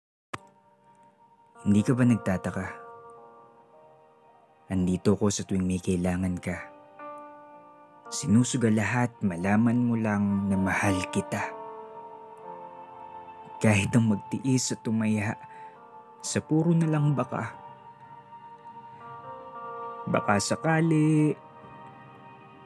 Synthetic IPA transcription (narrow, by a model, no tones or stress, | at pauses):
hɪnd̪iːkɐbanɐɡ̚t̪aːt̪ɐka | ʔɐnd̪iːt̪oko̞sɐt̪ʊɪŋmɛkɐʔɪlaːŋɐnkɐ | sɪnuːsʊɡɐlɐɦat̪̚mɐlaːmɐnmolaŋnɐmɐhalkɪt̪a | kaːhɪt̪ɐŋmɐɡ̚t̪ɪʔɪsɐt̪ʊmɐjaʔ | sɐpuːɾonɐlɐŋbɐka̰ | bɐ̰kasɐkaːlɪʔ